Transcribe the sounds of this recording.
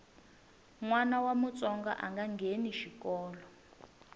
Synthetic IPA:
ŋwanawamut͡sʼɔŋɡa̰ʔaŋɡaŋɡeniʃikɔːlɔ

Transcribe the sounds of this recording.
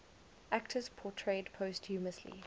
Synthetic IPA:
ʔæktʰəz̥pʰɔtʰɹeɪdpʰoʊsthʉːməslḭ

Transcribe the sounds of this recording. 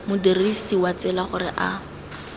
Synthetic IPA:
mʊdirisiwat͡sɛlaχʊrɪʔa

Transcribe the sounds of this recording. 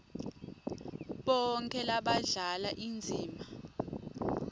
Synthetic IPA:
ɓɔŋkʰʼɛlaɓaɮalaʔind͡zʱiːma

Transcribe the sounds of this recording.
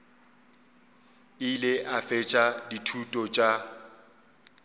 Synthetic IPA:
ɪlɪʔafɛt͡ʃʼaditʰutʼɔt͡ʃʼa

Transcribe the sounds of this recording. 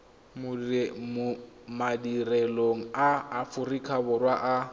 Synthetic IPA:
mʊmʊ | madireloŋ̩aːfʊrikʰabʊrwaʔa

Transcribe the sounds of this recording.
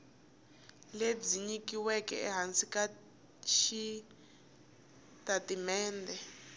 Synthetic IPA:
led͡ziɲikiwɛkɛ̰ɛɦansika | ʃi | tatimɛːndɛ

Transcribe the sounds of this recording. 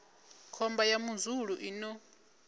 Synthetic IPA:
kʰɔmbajamuzuɺuʔinɔ

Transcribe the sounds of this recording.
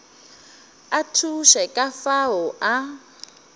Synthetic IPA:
atʰuʃɛkʼafaɦɔʔa

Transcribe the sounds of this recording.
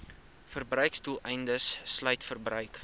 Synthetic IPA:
fərbrœɥkstulˠɛjndəsːlœɥtfərbrœɥk

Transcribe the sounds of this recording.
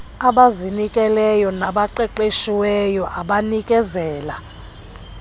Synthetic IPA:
aɓazinikʼɛlɛjɔnaɓaǃɛǃeʃiwɛjɔʔaɓanikʼɛzɛːla

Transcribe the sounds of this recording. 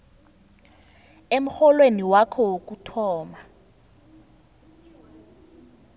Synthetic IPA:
em̩xɔlweniwakʰɔk̬ʼutʰɔːma

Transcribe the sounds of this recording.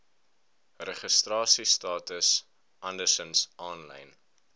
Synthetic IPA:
rɛχəstrɑːsistɑːtəs | ʔɐndəsənsɑːnlɐ̰jn

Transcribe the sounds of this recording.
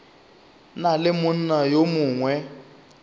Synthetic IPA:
nalɪmʊn̩najomʊːŋwɛ

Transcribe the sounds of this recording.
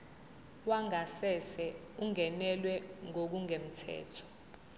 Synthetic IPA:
waŋasɛsɛ | uŋɛnɛlwɛŋok̬uŋem̩tʰɛ̰ːtʰɔ̥

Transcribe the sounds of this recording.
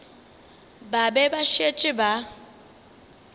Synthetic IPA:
babɛbaʃet͡ʃʼɪba

